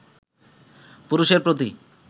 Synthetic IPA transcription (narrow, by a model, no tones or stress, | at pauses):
puɾuʃeɾpɾot̪̬i